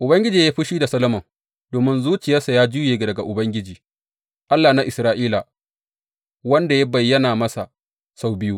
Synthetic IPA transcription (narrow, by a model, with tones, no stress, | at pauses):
ʔʊ˨bɐ˦ŋɡʲɪ˦d͡ʒiː˨jaː˦ɸi˦ʃiː˦da˨sɐ˦lɐ˦mɐ˨ | doː˨mɪ˦nzuː˦t͡ʃɪ˨jaː˦sa˨jaː˦d͡ʒu˦jeː˨ɡa˨dɐ˨ɡa˨ʔʊ˨bɐ˦ŋɡʲɪ˦d͡ʒiː˨ | ʔa˦lːaː˨na˦ʔɪ˨sɾaː˦ʔiː˦la˨ | wɐ˦nda˨ja˦bɐ˨jːɐ˦naː˨mɐ˦sa˨ | sa˦wbɪ˦juː˦